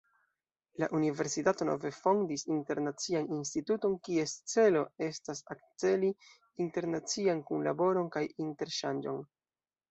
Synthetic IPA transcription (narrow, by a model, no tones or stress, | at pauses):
la̰ʔunive̞ɾsitato̞no̞̰ve̞fo̞ndisinte̞ɾnat͡sianinstituto̞nkie̞st͡se̞lo̞e̞stasak̚t͡se̞liː | nte̞ɾnat͡siankunla̰bo̞ɾo̞nkajinte̞ɾʃand͡ʒo̞̰n